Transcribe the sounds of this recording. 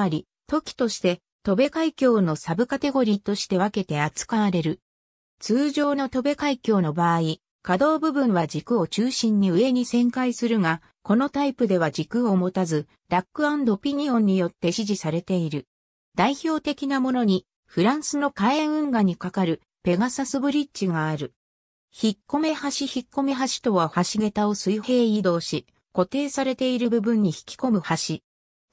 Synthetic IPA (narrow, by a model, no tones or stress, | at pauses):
aɾʲi | t̪o̞kʲi̥t̪o̞ɕi̥t̪e̞ | t̪o̞be̞kaikʲo̞ːno̞sabɯ̟kat̪e̞ɡo̞ɾʲiːt̪o̞ɕi̥t̪e̞β̞ake̞t̪e̞at͡sɨ̥kaaɾe̞ɾɯ̟ | t͡sɨːʑo̞ːno̞t̪o̞be̞kaikʲo̞ːno̞baːi | kad̪o̞ːbɯ̟bɯ̟̃ɰ̃βad͡ʑikɯ̟o̞t͡ɕɨːɕĩɲ̟ːiɯ̟e̞ɲ̟isẽ̞ŋkaisɨɾɯ̟ŋa | ko̞no̞t̪aipɯ̟d̪e̞β̞ad͡ʑikɯo̞mo̞t̪azɨ | ɾakːɯ̟ãnd̪opʲiɲ̟iõ̞ɲ̟ːijo̞t̪ːe̞ɕiʑisaɾe̞t̪e̞iɾɯ̟ | d̪̥aiçʲo̞ːt̪e̞kʲinamo̞no̞ɲ̟i | ɸɯ̟ɾãɰ̃sɨno̞kaẽɯ̟̃ŋɡaɲ̟ikakaɾɯ̟ | pe̞ɡasasɨbɯ̟ɾʲitt͡ɕiɡaːɾɯ̟ | çikːo̞me̞haɕiçikːo̞me̞ɦaɕi̥t̪o̞βahaɕiɡe̞t̪ao̞sɨihe̞ːid̪o̞ːɕi | ko̞t̪e̞ːsaɾe̞t̪e̞iɾɯ̟bɯ̟bɯ̟̃ɲ̟ːiçi̥kʲi̥ko̞mɯ̟haɕi